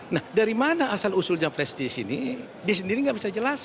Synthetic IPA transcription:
nahdaɾimanaʔːsalusʊld͡ʒaŋplɛst̪isini | dias̬əndiɾiŋɡaʔbisad͡ʒəlas

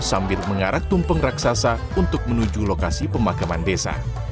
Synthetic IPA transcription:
sambɪlməŋaɾak̚t̪umpəŋraksasa | unt̪ʊk̚mənud͡ʒulokasipəmakamandesa̰

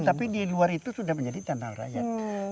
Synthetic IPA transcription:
t̪apidiluaɾit̪usudahməɲd͡ʒadit̪analɾa̰jat̪̚

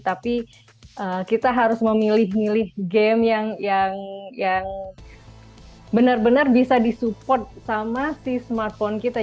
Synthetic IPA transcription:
t̪api | ʔəːkit̪aɦaɾʊsməmilɪhmilɪhɡɛmjaŋjaŋjaŋ | bənərbənərbisadisupɔrt̪̚samasisəmart̪̚fɔnkit̪a

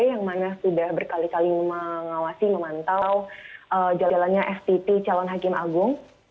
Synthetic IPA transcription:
jaŋmanasudahbərkalikalimməŋawasiməmant̪awʔəd͡ʒalanɲaʔɛft̪it̪it͡ʃalɔnɦakɪmaɡʊŋ

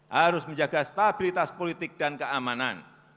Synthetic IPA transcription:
haɾʊsməɲd͡ʒaɡ̥ast̪ab̥ilit̪aspolit̪ɪk̚d̥ankəamana̰n

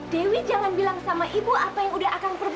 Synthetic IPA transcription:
dewid͡ʒaŋanbilaŋsamaʔibuapajaŋudaɦakanpərb

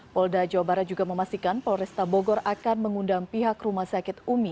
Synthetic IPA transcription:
pɔldad͡ʒawabaɾat̪̚d͡ʒuɡaməmast̪ikanpɔlɾɛst̪aboɡɔɾakanməŋundaŋpiɦakrumahsakɪt̪̚umi

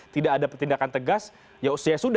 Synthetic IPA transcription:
t̪idaːdapət̪indakant̪əɡas | jausiasud

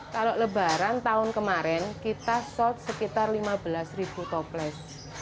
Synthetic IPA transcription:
kaloləba̤ɾant̪aʊnkəmaɾɛnkit̪asɔlt̪̚səkit̪arlimab̥əlasrib̥ut̪ɔplɛs

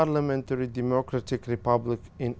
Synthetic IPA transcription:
aɾlamẽnt̪əɾid̪emokɾat̪ikripablikĩn

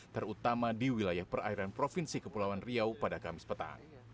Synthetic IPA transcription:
t̪ərut̪amadiwilajahpəra̰iɾanpɾofinsikəpulawanriawpadakamɪspət̪a̰ŋ

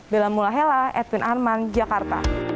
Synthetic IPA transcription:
bɛlamulaɦɛlaɛt̪inʔarmand͡ʒakart̪a̰

